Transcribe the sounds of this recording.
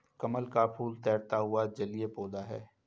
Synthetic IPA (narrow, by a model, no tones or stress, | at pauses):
kɐməlkapʰuːlt̪ɛːɾt̪aɦʊad͡ʒɐliepoːd̪aɦɛ̰ː